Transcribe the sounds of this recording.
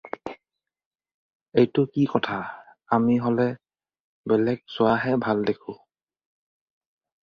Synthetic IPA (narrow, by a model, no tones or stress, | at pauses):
ejtʊkikɔtʰa | amiɦolɛ | bɛlɛɡ̚sʊwaɦɛbʱaldekʰʊ̃